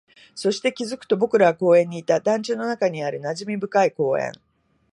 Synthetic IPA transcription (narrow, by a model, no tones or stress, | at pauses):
so̞ɕi̥t̪e̞kʲizɨkɯ̥t̪o̞bo̞kɯ̟ɾaβako̞ːẽ̞ɲ̟ːiːt̪ad̪ãɲ̟t͡ɕɨːno̞nakaɲ̟iaɾɯ̟naʑimʲibɯ̟kaiko̞ːẽ̞̰ɴ